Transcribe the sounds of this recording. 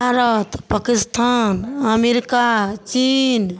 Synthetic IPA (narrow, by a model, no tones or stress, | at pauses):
aɾət̪pakist̪ʰanəmeɾikat͡ʃin